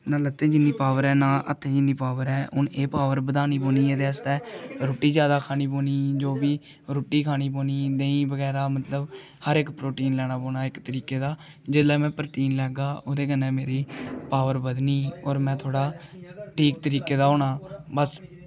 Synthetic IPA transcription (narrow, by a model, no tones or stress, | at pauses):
naːlət̪ʰːẽːd͡ʒɪnːiːpaːʋəɾɛːnaːʔə̰t̪ʰːẽːd͡ʒɪnːiːpaːʋəɾɛːʊneːpaːʋəɾbəd̪aːniːpoːniːɛːd̪eːəst̪ɛːɾoːʈːiːd͡ʒjaːd̪aːkʰaːniːpoːniːd͡ʒoːbiː | ɾoːʈːiːkʰaːniːpoːniːd̪ẽːĩːbəɡɛːɾaːmət̪ləb | həɾɪkpɾoːʈiːnlɛːɽ̃aːpoːnaːɪkt̪əɾiːkeːd̪aː | d͡ʒɪd̪lɛːmɛ̃ːpɾʈiːnlɛːɡaːʔoːd̪eːkənɛ̃ːmeːɾiːpaːʋəɾbəd̪niːɔːɾmɛ̃ːt̪ʰoːɽaːʈʰiːk̚t̪əɾiːkeːd̪aːoːɳaːbəs